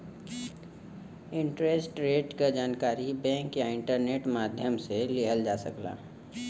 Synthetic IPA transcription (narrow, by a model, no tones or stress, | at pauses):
ɪ̃ɳʈɾesʈɾeːʈkad͡ʒaːnkaːɾibɛ̃ːŋkjaɪ̃ɳʈəɾneːʈmaːd̪ʱjəmseleɦəld͡ʒaːsə̰kla̰ː